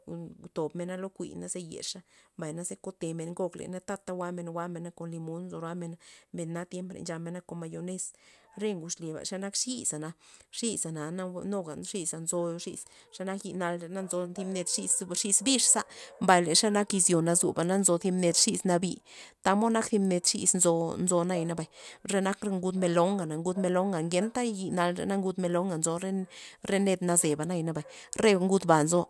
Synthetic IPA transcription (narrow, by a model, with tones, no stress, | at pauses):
t̪o˨bme˧na˦lo˦kʷḭ˨na˦ze˧jḛ˨ʂa˦mba˨jna˦ze˦ko˧t̪e˨me˨nŋɡo˧klḛ˨na˦t̪a˦t̪ːa˧wa˦me˧nwa˦me˧na˦ko˧˨nli˧mo˨˦nzo˧ɾa˦me˧nme˧nːa˦t̪je˦mpɾḛ˧nd͡ʒa˧me˧nːa˦ko˧˨nma˧jo˧ne˦sɾe˦ŋɡu˨ʂli˨ba̰˨ʂa˦na˦kʂi˦za˨na˧ʂi˦za˨na˨na˦no˦ɡa˨nʂi˦sa˧nzo˧ʂi˧s | ʂa˦na˦kji˧na˧le˧na˦nzo˧t̪i˧˦mne˧t̪ʂi˧sʂi˧sbi˦ʂsa˦mba˧jle˨ʂa˦na˦ki˧zjo˨na˧zṵ˨ba˨na˦nzo˧θi˧mne˧t̪ʂi˧sna˧bi˧t̪a˧mo˦na˦kθi˧mne˧t̪ʂḭ˧snzo˧nzo˧na˧jna˧ba˨jɾe˧na˦kɾe˧ŋɡu˧d̪me˧lo˨˦ŋɡa˨na˨ŋɡu˧d̪me˧lo˦ŋɡa˨ŋɡe˧˦nt̪a˦˧ji˧na˧lɾḛ˧na˦ŋɡu˧d̪me˧lo˧˦ŋɡa˨nzo˧ɾe˦ɾe˦ne˧d̪na˧ze˨ba˨na˧jna˧ba˨ | ɾe˦˧ŋɡu˧d̪ba˨nzo˧